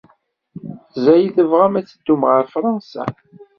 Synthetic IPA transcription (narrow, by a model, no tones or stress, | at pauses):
zæjiθəvʁamæt͡sːəd̪̥ːumʁəɾfɾˤɑnsæ̰